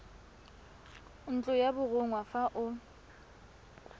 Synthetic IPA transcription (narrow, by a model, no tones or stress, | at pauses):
n̩t͡ɬʼʊjabʊɣʊŋwafaʔʊ